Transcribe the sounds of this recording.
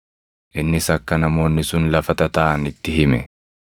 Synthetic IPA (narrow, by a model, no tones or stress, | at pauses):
ʔɪnːɪsɐkːɐnɐmo̞ːnːɪsʊnlɐfɐt̪ɐt̪ɐʔɐnɪt̪ːɪɦɪmɛ